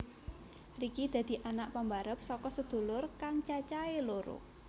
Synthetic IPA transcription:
rikid̪̥ä̤d̪̥i̤ʔanaʔpambaɾəp̚sɔkɔsəd̪̥ṳlʊrkaŋt͡ʃat͡ʃaeloɾʊ̰

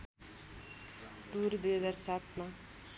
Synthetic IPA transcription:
ʈurd̪ujɦʌd͡zarsat̪̚ma

